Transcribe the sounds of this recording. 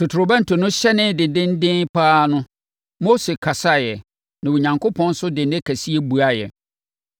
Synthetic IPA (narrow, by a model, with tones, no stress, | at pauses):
tʰʊ˨tʰʊ˨ɾʊ˨bɛ̃˦n̩˦tʰʊ˨nʊ̃˦ɕɛ˦nɪ̃˦dɪ̃˨dɪ̃˦n˦dɪ̃˦n˦pʰaː˦nʊ̃˦ | mo˦se˨kʰa˨sa˦˨jɛ˨ | nã˨wo˨ɲã˨ŋkʰo˦pʰɔ̃˦n˦sʊ˦dɪ˨n˦dɪ˦kʰæ˨si˦e˦bu˨a˦jɛ̰˨